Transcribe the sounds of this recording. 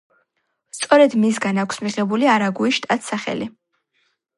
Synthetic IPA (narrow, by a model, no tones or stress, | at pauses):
st̪sʼɔɾɛd̪mis̬ɡanakʰsmiʁɛbuliaɾaɡuiʃt̪ʼat̪ʰsaχɛ̰li